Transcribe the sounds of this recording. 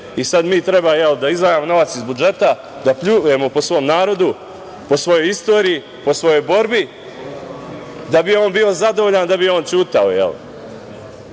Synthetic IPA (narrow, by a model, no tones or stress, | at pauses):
isad̪miːt̪ɾe̞baːjeld̪aizʋajamo̞no̞ʋat̪sizbud͡ʒe̞t̪a | d̪apʎuje̞mo̞po̞sʋo̞mnaːɾo̞d̪u | po̞sʋo̞jo̞jist̪o̞ːɾiji | po̞sʋo̞jo̞jbo̞ɾbi | d̪abio̞ːnbio̞zad̪oʋoʎand̪abijo̞ːnt͡ɕuːt̪ao̞̰jḛl